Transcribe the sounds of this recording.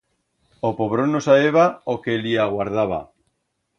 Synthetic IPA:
opoβɾonosaeβaokeliaɣwaɾðaβ̞a̰

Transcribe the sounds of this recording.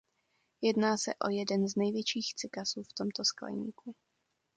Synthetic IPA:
jɛdnaːsɛ̰ʔo̞̰jɛdɛnznɛjvjɛt͡ʃiːxt͡sɪkasuːft̪o̞mt̪o̞skla̰jɲḭːku

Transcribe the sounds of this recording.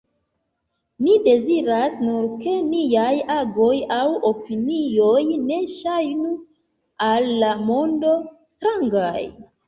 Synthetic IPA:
mide̞ziɾasnuɾke̞nijajaɡo̞jawo̞pinio̞jne̞ʃajnu | alːamo̞ndo̞ | stɾaŋɡaj

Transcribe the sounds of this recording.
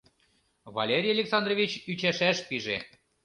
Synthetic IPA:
βɑ̰lʲeɾʲijɑlʲeksɑnd̪rovʲit͡ɕyt͡ɕæʃæʃpiʒe

